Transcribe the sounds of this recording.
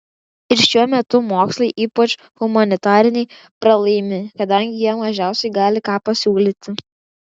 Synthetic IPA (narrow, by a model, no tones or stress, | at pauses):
ɪɾʃʲuɔmʲɛt̪ʊmoːkslˠɐɪʔiːpɐt͡ʃ | ɣʊmɐnʲɪt̪ɑːɾʲɪnʲɛɪ | pɾɐlˠɐɪmʲɪkɐd̪ɐˑŋʲɡʲɪjiɛmɐʒʲæˑʊsʲɛɪɡɑːlʲɪkɑːpɐsʲuːlʲiːt̪ʲɪ